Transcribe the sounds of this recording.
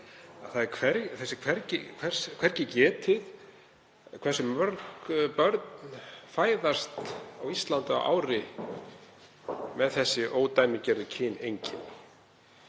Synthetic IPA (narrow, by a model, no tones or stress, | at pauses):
aθaðɪɾkʰvɛɾθɛsːɪkʰvɛɾcɪkʰvɛr̥skʰvɛɾcɪcɛːt̪ʰɪð | kʰv̥ɛr̥sʏmœɾkpœɾt̪nfaːjðast̪awist̪lant̪ʏa̰ʔa̰wɾɪ | mɛðθɛsːɪʔoːwt̪ajmɪcɛɾðʏcʰɪnejɲcɪn